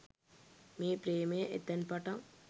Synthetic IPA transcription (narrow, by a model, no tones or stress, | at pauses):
miːpɾeːmejʔet̪ːɐnpɐʈɐm